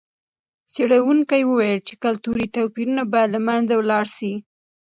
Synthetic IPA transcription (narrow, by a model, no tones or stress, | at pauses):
seɽawuŋkajwəwajəlt͡ʃe̥kalt̪uɾit̪awpiɾunabɑjad̪lamanzawlɑɽʃi